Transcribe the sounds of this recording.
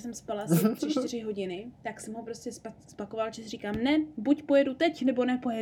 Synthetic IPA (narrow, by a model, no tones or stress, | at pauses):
sɛmspalasɪr̥ɪt͡ʃt̪ɪɾ̝ɪɦo̞ɟɪnɪt̪aksɛmɦopɾo̞scʲɛspaspako̞valt͡ʃɛsɪriːkaːmnɛbucpo̞jɛdut̪ɛcnɛbo̞nɛpo̞jɛ